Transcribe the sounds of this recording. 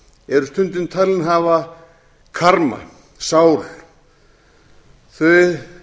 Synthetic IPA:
ɛɾʏst̪ʏnt̪̬ɪnt̪ʰaːlɪnɦaːva | kʰaɾma̰ | saːwl | θœj

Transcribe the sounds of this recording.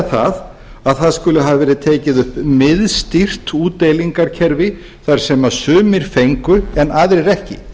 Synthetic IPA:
θað | aðθaðskʏlʏɦavavɛːɾɪðt̪ʰɛːcɪðʏhpmɪðst̪ir̥t̪uːt̪ejliŋkaɾ̥cʰɛɾvɪ | θaɾ̥sɛmasʏːmɪɾ̥fejŋkʏɛnːaːðɾɪɾɛhcɪ̰

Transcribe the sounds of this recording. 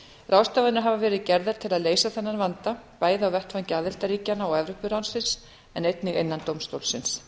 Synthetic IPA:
rawst̪avaðɪnʏɦavavɛːɾɪðcɛɾðaɾ̥t̪ʰɪlaðleːjsaθɛnːanvant̪apaːjðɪawvɛht̪vancaːðɪlt̪aɾiːcanaɔɣɛvɾʏhpʏɾawnsɪns | ɛnejt̪nɪɣejnːant̪owmst̪oːwlsɪns

